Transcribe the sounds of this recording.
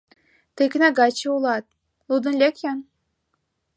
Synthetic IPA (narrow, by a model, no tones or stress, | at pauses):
t̪ɨknaɡɑt͡ɕiulˠɑt̪̚ | lˠud̪ɨ̆nlʲekjan